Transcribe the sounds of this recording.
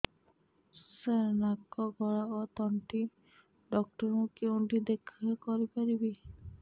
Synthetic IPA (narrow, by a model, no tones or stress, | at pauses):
senakɔɡɔɭaot̪ɔɳʈi | ɖɔk̚ʈɔɾmũkewɳʈid̪ekʰɔekɔɾipaɾibi